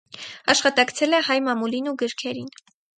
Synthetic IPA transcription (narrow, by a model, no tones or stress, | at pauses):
ɑʃχɑt̪ɑkt͡sʰɛlɛhɑjmɑmulinuɡəɾkʰɛɾin